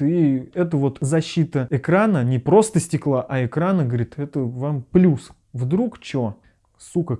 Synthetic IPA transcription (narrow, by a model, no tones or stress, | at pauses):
iɛt̪̬əvo̞t̪zɐɕːit̪əɪkɾanənʲɪpɾo̞st̪əsʲtʲɪklˠaʔɐɪkɾanəɡəvɐɾʲit̪ɛt̪əvamplʲus | vd̪ɾukt͡ɕo | sukə